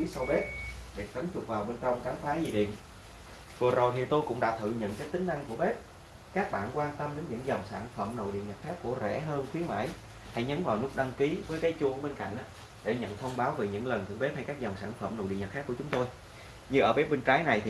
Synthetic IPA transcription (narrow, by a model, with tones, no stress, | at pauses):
i˨˦sa˧wɓe˦˥p̚ɗe˨˩t̪ə˨˦nt͡ɕʊ˨˩k̚vaː˨˩wɓe˧nt͡ɕɔ˧wŋ͡mkaː˨˦wfaː˨˦zi˨˩ɗḭ˧˨ən | vɨ˨˩zo˨˩jt̪ʰi˨˩t̪o˧jkʊ̰˧˥ŋ͡mɗa̰ː˧˥t̪ʰɨ̰˧˨ɲə̰˧˨nt͡ɕə˦˥k̚t̪ï˨˦ŋ̟ʔa˧ŋku˧˩əɓe˦˥p̚ | kaː˦˥k̚ɓa̰ː˧˨nkwaː˧nt̪ə˧mɗe˨˦nɲɨ̰˧˥ŋzə˨˩wŋ͡msaː˧˩nfə˧˩mno̰˧˨jɗḭ˧˨əŋɲə˨˩t̚xaː˦˥kːu˧˩əzɛ̰˧˩ɦəː˧nxwi˨˦ənma̰ː˧˥˨j | ha̰˧˥jɲə˨˦nvaː˨˩wnu˦˥k͡p̚ɗa˧ŋki˨˦vəː˨˦jkaː˨˦jt͡ɕu˧˩əɓe˧nka̰˧˨jŋ̟ʔ | ɗe˧˩ɲə̰˧˨nt̪ʰə˧wŋ͡mɓaː˨˦wve˨˩ɲɨ̰˧˥ŋlə˨˩nt̪ʰɨ̰˧˩ɓe˦˥p̚ha˧jkaː˦˥k̚zɔ˨˩wŋ͡msaː˧˩nfə˧˩mno̰˨˧˨ɗḭ˧˨ɲə˨˩t̚xaː˦˥kːu˧˩ət͡ɕʊ˨˦ŋ͡mt̪o˧j | ɲɨ˧ʔəː˧˩ɓe˦˥p̚ɓe˧nt͡ɕaː˨˦jna˨˩jt̪ʰi˨